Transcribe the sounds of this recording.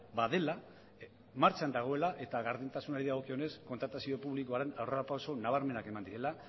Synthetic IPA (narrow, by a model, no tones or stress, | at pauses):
baðe̞la | maɾt͡ʃand̪aɣ̞o̞e̞laʔe̞t̪aɣaɾðint̪asunaɾiðaɣ̞o̞kione̞sko̞nt̪ɾat̪asio̞puβliko̞aɾe̞nawreɾapawso̞naβ̞aɾme̞nake̞mand̪iɾe̞la